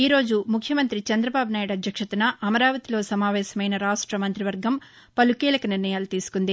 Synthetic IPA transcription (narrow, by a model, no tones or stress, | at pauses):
iːɾo̞ːd͡ʒumukʰjɐmɐnt̪ɾit͡ʃɐnd̪ɾɐbaːbunaːjuɽɐd̪ʱjɐkʂɐt̪unɐʔɐmɐɾaːʋɐt̪ilo̞ːsɐmaːʋɛːsɐmɐjnɐɾaːʂʈɾɐmɐnt̪ɾiʋɐɾɡʱɐm | pɐlukiːlɐkɐniɾnɐjaːlut̪iːsu̥kund̪i